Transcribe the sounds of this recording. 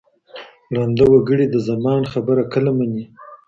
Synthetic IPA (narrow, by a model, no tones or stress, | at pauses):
ɽɑnd̪awaɡəɽid̪əzamɑnxabəɾakəlamani